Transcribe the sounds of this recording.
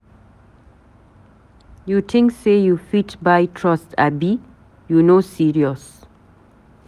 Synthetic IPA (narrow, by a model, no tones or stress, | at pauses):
jutʰɪ̃ŋkseːjufiʈbaɪtʰɹɔstʰa̰bi | junoːsiːɾiəs